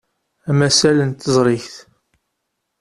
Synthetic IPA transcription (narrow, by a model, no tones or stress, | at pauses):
æmæsælənt̪əzˤɾˤɪçθ